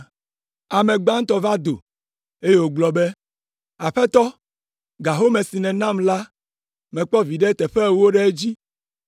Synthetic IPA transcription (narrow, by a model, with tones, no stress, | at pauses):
a˨mẽ˨ɡ͡bã˦ŋ̩˦t̪ɔ˦va˦d̪o˨ | e˦je˦wo˨ɡ͡blɔ˨be˦ | a˨ɸɛ˦t̪ɔ˦ | ɡa˨ɦo˦mẽ˨si˨nɛ̃˨nã˦˨mla˦ | mɛ̃˨k͡pɔ˦vi˨ɖe˦t̪ɛ˨ɸɛ˦˨wo˦ɖɛ˦e˦d͡ʑi˦